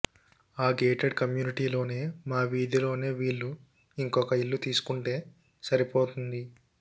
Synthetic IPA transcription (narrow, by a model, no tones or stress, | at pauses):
aːɡeːʈeɖkɐmjuːniʈiːlo̞ːne̞ːmaːʋiːd̪ilo̞ːne̞ːʋiːɭːu | iŋkɔkɐiɭːut̪iːsu̥kuɳʈe̞ː | sɐɾipoːt̪und̪i